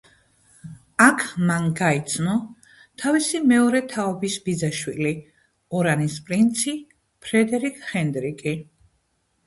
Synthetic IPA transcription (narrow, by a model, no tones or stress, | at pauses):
akʰmanɡait̪sʰmɔ | t̪ʰavisimɛɔɾɛt̪ʰaɔbisbid̪zaʃwili | ɔɾanispʼɾint̪sʰi | pʰɾɛd̪ɛɾikʰʼχɛnd̪ɾikʼi